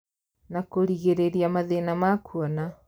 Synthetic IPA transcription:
nakoɾiɣeɾeɾiamaðenamakuɔna

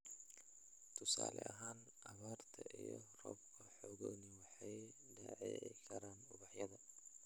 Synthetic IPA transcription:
t̪ʰʊsa̰ːlɛ̰ʔɐɦaːn | ʔɐβaːrt̪ʰɐʔijɔrɔbkʰɐħɔːɣɔnɪwɑħɑj | ɖaʕɛkʰɐɾaːnʊbɐħjɐðɐ

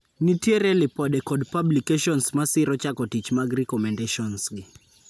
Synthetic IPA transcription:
nitjeɾɛlɪpɔdɛkɔdpablikeʃɔnsmasɪɾɔt͡ʃakɔtit͡ʃmaɡrɛkɔmɛndeʃɔnsɡɪ

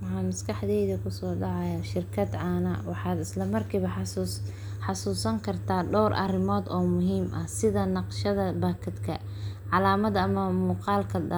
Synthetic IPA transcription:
wɑħɑːmɐskɑħd̪ɛjðɐkʰʊsɔːɖɑʕɑjaːʃɪrkʰɐd̪ʕaːnɐ̰wɑħɑːd̪ɪslɐmɐrkʰiːβɐħs | ħɑsuːsɐŋkʰɐrt̪ʰaːɖɔwrʔɐ̰rɪmɔːd̪ɔːmʊɦiːmʔɐhsɪðɐnɑqʃɐðɐbaːkʰɐd̪kʰɐ̰ | ʕɑlaːmɐd̪ɐmɐmuːqɑːlkʰɐdɐ

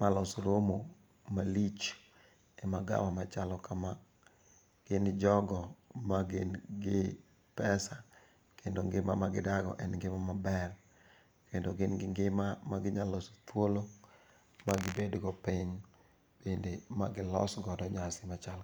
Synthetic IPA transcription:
malɔsoɾomo | malit͡ʃ | ɛmaɡa̰mamat͡ʃalɔkʰama | ɡ̥ɪnɪd͡ʒɔɡɔmaɡɪnɡɪ | pɛsa | kʰendoŋɡɪmamaɡɪdaɡɔ̰ʔɛnɡɪmamabɛr | kendoɡɪnɡɪŋɡɪmamaɡɪɲaloso̥t̪wolo | maɡɪbedɡɔpɪɲ | b̥endemaɡɪlɔ̰sɡɔdɔɲasɪmat͡ʃal

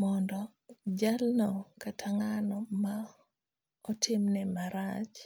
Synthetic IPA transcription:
mɔndɔ | d͡ʒalnɔkatʰaŋanɔma | ɔtʰɪmnɛmaɾat͡ʃ

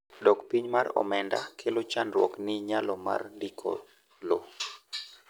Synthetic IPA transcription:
dɔkpiɲmaɾɔ̰mɛnda̰kʰelot͡ʃanɾwɔknɪɲalɔma̰rdikʰɔ̰ | lo

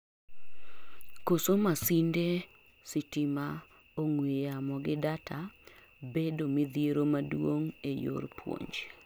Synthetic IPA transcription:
kosomasinde | sɪtɪma | oŋwejamɔɡɪdatʰa | bedomɪd̪ieɾomadwoŋejo̰rpwo̰ɲd͡ʒ

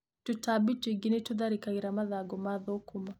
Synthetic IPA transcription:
tutabitwiɡinetuðaɾikaɣiɾamaðaɡɔmaðokuma

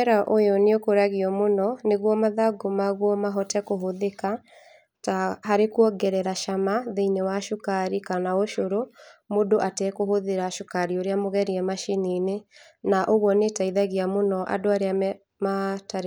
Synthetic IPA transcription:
ɛɾaʔojɔneokoɾaɣiɔmonɔneɣwɔmaðaɡomaɣwɔmaɦɔtɛkoɦoðeka | taɦaɾekwɔɡɛɾɛɾaʃamaðeinewaʃukaɾikanaoʃoɾomodoʔatɛkoɦoðeɾaʃokaɾioɾeamoɣɛɾiɛmaʃininenaʔoɣwɔnetaiðaɣiamonɔʔa̰doaɾeam | mataɾ

